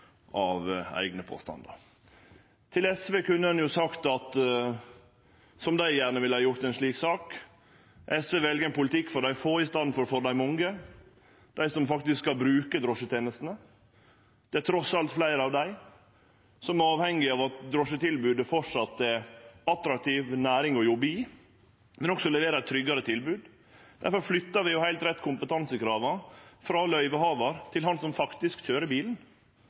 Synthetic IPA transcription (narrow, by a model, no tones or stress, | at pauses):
ʔɑʋæ̰ɪɡnəpʰo̰ːst̪ɑ̰nd̪ə̰ɾ | t̪ʰɪlɛsʋeːkʉnːəɑnjʊsɑkt̪ɑt̪ | sɔmd̪æɪjæːɾnəʋɪləhɑːjʊɾt̪ɛɪnʂlɭiːksɑːk | ʔɛsʋeːʋɛlɡəɛnpʊlət̪ʰɪkːfɔɾɖ̪æɪfoːɪst̪ɑnfɔɾfɔɾd̪æɪmʊŋɡə | d̪̥æɪsɔmfɑk̚t̪ɪsskːɑlbɾʉːkəd̪ɾɔʂət̪ʰeːnəst̪nə | d̪̥ɛæt̪ʰɾɔsɑlt̪flæɪɾəɑʋd̪æɪ | sɔmɑːʋhɛŋːɪɑːʋɑt̪d̪ɾɔʂət̪ʰɪlbʉːd̪əfɔʂɑt̪ːɛɑt̪ɾɑk̚t̪ʰiːʋnæːɾɪŋɔjʊbiː | mɛnɔksɔlɛʋeːɾɑt̪ʰɾʏɡːɑɾət̪ʰɪlbʉːd̪ | d̪̥æɾfɔɾflʏt̪ːɑʋɪjʊhæɪlt̪ɾɛt̪ːkʰʊmpət̪ʰɑnsəkɾɑːʋəfɾɑlœʏʋəhɑːʋəɾt̪ʰɪlhɑnsɔmfɑkt̪ɪskc͡çøːɾəbiːln̩